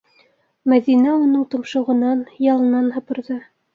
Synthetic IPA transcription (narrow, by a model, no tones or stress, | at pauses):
mæðinæunɤɴt̪ŏmʃɤ̆ʁɤ̆nɑnjɑlˠɤ̆nɑnhɤ̆pɤ̆ɾðɤ